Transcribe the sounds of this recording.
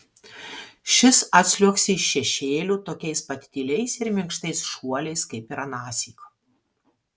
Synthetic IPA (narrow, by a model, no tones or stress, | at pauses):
ʃʲɪsɐt̪ʲsʲlʲuɔksʲɪɪʃːʲɛʃʲeːlʲuːt̪oːkʲɛɪspɐt̪ʲt̪ʲiːlʲɛɪsɪɾmʲɪŋkʃt̪ɐɪsʃuɔlʲɛɪskɐɪpiɾɐnɑːsʲiːko